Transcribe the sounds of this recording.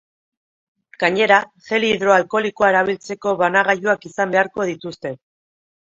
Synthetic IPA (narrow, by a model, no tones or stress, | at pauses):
ɡ̥aɲe̞ɾaxe̞liðɾo̞alko̞likoae̞ɾaβ̞ilt͡se̞ko̞βanaɣ̞ajuakisambe̞aɾko̞ð̞it̪ust̪e̞